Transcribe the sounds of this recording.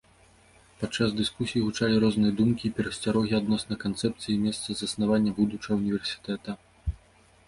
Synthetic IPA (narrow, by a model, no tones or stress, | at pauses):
pat̪t͡ʂːazd̪ɨskusʲijiɣut͡ʂalʲiɾɔznɨjɐd̪umkʲiːpʲɛɾɐsʲt͡sʲaɾɔɣʲiad̪nɔsnɐkant̪sɛp̚t̪sɨjimʲɛst̪sɐzɐsnavanʲːɐbud̪ut͡ʂɐɣɐunʲivʲɛrsʲi̥t̪ɛt̪ɐ